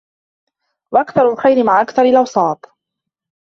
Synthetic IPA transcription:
waʔakθɑɾˤʊlxajɾɪmaʕʔakθɑɾˤɪlʔɑwsˤɑːt̪ˤ

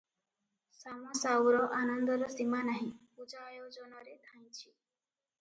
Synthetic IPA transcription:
samɔsawɾɔʔanɔnd̪ɔɾɔsimanaɦĩpud͡ʒajɔd͡ʒɔnɔɾet̪ʰaj̃t͡ʃʰi

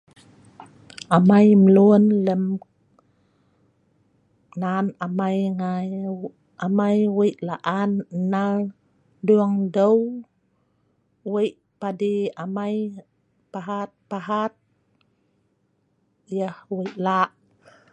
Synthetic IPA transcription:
ʔamajməlunləm | nanamajŋaj | amajwəjʔlaʔannal | duaŋdəw | wəjʔ | padiamaj | paɦat̪̚paɦat̪̚ | jəhwəjʔlaʔ

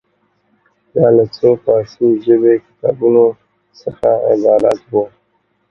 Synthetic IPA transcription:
d̪ɑlat͡sokɑsiʒəbekɪ̥t̪ɑbuno | səxaɪ̰d̪ɑla̰t̪bo

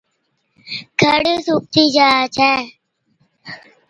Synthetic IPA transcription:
kʰəɽsuk̚t̪iːd͡ʒaːt͡ʃʰɛː

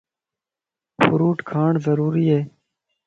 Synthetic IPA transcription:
fʊɾuːʈkʰaːɳzəɾuːɾiːeː

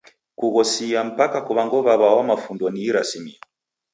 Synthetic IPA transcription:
kuɣɔsiam̩pakakuβaŋɡɔβaβawamafundɔniːɾasimiɔ

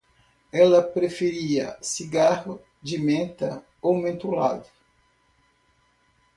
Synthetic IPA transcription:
ɛlɐpɾefeɾiɐ̰siɡahʊ | d͡ʒɪmẽnt̪ɐ | owmẽnt̪ula̰d̪ʊ

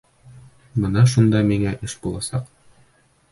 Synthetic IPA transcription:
bɤnɑʃ̬und̪ɑmiŋæʔɘʃbulˠɑsɑq

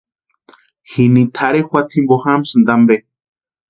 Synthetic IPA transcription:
xinit̪ʰaɾexwat̪ʰimboxamsɨnd̪ambe

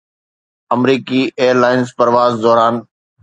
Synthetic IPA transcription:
əmɾiːkiːʔeːəɾlaːɪnspəɾʋaːzd̪oːɾaːn

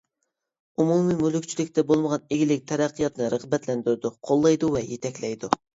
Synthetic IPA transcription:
umumɨmylykʲt͡ʃʰilɪk̚ʲt̪ʰɛbolˠməʁɑneɡʲilɪk̚ʲt̪ʰɛɾɛqːɨjɑt̪nɨɾəʁbɛt̪lɛnd̪yɾɪd̪ʊqʰolˠːɑjd̪uvɛjet̪ʰɛkʲlɛjd̪u

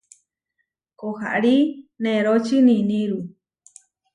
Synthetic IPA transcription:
koha̰ʔɾinẽɾot͡ʃɨnĩnĩɾu

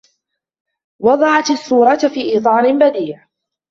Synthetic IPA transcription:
wɑd̪ˤɑʕɑt̪asːuːɾˤɑt̪fiːʔiːt̪ˤɑːlɪnbad̪iːʕ

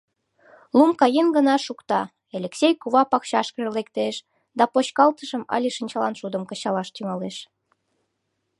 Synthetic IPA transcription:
lumkɑjenɡənɑʃukt̪ɑ | elʲeksʲejkuβɑpɑkɕɑʃkəʒlekt̪eʃ | d̪ɑpoɕkɑlt̪əʃəmɑ̰lʲiʃinʲt͡ɕɑlɑnʃud̪əmkət͡ɕɑlɑʃt̪yŋɑleʃ

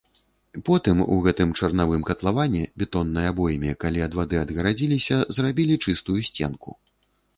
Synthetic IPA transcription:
pɔt̪ɨmṵɣɛt̪ɨmt͡ʂɐrnavɨmkɐt̪lˠavanʲːɛbʲɛt̪ɔnːɨjɐabɔjmʲɛkalʲiɐd̪vad̪ɨɐd̪ɣɐɾad͡zʲilʲisʲɐzrabʲilʲit͡ʂɨst̪ujusʲt͡sʲɛ̰nkṵ

